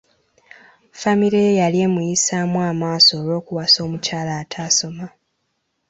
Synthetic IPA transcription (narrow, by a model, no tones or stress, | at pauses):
famiɾejejalie̞mujisaːmwaːmaːso̞ːlo̞ːkuwaso̞ːmucaːlaːtʰaːso̞ma